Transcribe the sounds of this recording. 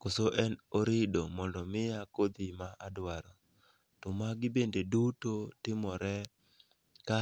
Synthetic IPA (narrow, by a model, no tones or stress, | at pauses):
kosoʔɛnoɾɪdomɔndɔmɪjakod̪ɪmaʔadwaɾɔ | tɔmaɡɪbendedutotɪmɔɾɛ | ka